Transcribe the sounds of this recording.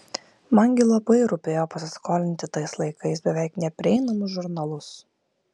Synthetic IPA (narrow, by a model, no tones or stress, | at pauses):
mɐŋʲɡʲɪlˠɐpɐɪɾʊpʲeːjoːpɐsʲɪskoːlʲɪnʲt̪ʲɪt̪ɐɪslˠɐɪkɐɪsbʲɛʋʲæˑɪknʲɛpʲɾʲɪɛɪnɐmʊsʒʊɾnɐlˠʊs